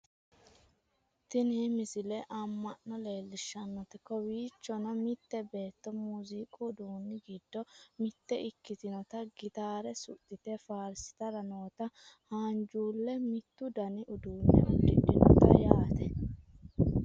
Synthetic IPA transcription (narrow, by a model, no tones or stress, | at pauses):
t̪ɪnɪmɪsɪlɛʔɐmːɐnːɔle̞ːlːɪʃːɐnːɔt̪ɛkːɔwiːt͡ʃːɔnɐmɪt̪ːɛbe̞ːt̪ːɔmuːziːkʼʊːd̪uːnːɪɡɪd̪ːɔmɪt̪ːɛʔɪkːɪt̪ɪnɔt̪ɐɡɪt̪aːɾɛsʊ̰t̪ʼːɪt̪ɛfaːɾsɪ̥t̪ɐɾɐnoːt̪ɐ | haːnd͡ʒuːlːɛmɪt̪ːʊd̪ɐnɪʔʊd̪uːnːɪ̰ɐdɪ̰ᶑɪnɔ̰t̪ɐ̰jaːt̪ɛ